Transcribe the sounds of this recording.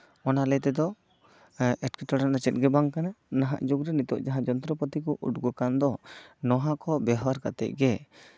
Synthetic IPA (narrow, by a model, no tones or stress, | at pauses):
ɔnalɛt̪ɛd̪ɔ | ʔɛʈkɛʈɔɾanat͡ʃɛt̪̚ɡɛbaŋkananaɦa̰ʔd͡ʒuɡɾɛnit̪ɔʔd͡ʒaɦãd͡ʒɔnt̪ɾɔpɔt̪ikɔʔṵʈɡɔkand̪ɔnɔɦakɔbɛɦwaɾkat̪ɛ̰ʔ̚ɡɛ